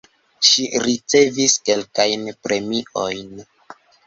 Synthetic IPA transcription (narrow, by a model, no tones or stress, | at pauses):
ʃiɾit͡se̞viske̞lkajnpɾe̞miʔo̞jn